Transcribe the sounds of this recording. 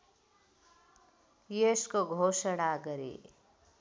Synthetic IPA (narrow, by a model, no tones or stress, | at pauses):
jeskoɡʱosʌɽaɡʌɾḛ